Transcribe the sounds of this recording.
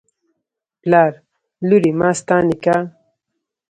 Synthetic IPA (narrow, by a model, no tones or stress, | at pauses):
plaːɾ | luɾimaːst̪ãːnika